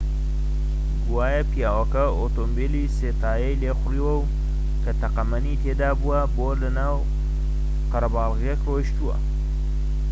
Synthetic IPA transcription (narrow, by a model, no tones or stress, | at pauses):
ɡuwaːjɐpijaːwɐkɐ | oːt̪oːmbiliseːt̪aːjɐjleːxʷʊriːwɐw | kʰɐt̪ɐqɐmɐnit̪ʰeːd̪aːbuwɐboːlɐnaːw | qɐɾɐbaːlˠɣjɛkroːʃt̪uwɐ̰